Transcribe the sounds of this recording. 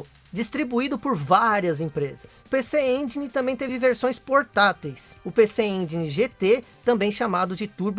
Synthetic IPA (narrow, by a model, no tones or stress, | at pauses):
d͡ʒist̪ɾibuid̪ʊpʊɾvaɾiɐzẽpɾezɐsʊpeseẽd͡ʒinɪt̪ɐ̃bẽj̃t̪evɪveɾsõj̃spoɾt̪at̪ejsʊpeseẽd͡ʒiniʒet̪et̪ɐ̃mbẽj̃ʃamad̪ʊd͡ʒɪt̪uɾb